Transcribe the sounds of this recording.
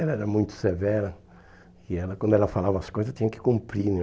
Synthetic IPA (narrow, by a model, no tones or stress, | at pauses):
ɛlɐɛɾɐmũj̃t̪ʊ̥sevɛɾɐ | ɪɛlɐkwɐ̃nd̪ʊɛlɐfalavɐɐskojzɐst̪ĩɲ̃ɐkɪ̥kũmpɾinẽ